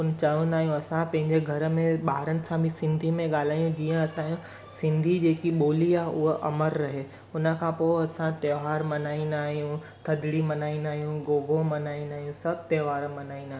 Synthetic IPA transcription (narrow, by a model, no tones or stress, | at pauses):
ʊn̆t͡ɕɐʋə̃nd̪aːɦijũɐsãpɐ̃ɦɪ̃ɲd͡ʑeɡʱɐɾəmẽɓaːɾənɪ̆sãbʱĩsɪ̃nd̪ʱimẽɠaːl̤aːjũd͡ʑiːə̃ɐsãːjũ | sɪ̃nd̪ʱid͡ʑeːkiɓoːliaːɦʔʊɦoʔɐməɾːɐɦe | ʊnə̆kʰãpoːɐsãt̪eːʋaːɾmɐnaːĩnaːɦijũ | t̪ʰɐd̪ɽimɐnaːĩnd̪aːɦijũɡoːɡʱomɐnaːĩnaːɦijũsɐbʱt̪eːʋaːɾmɐnaːĩnd̪aːɦ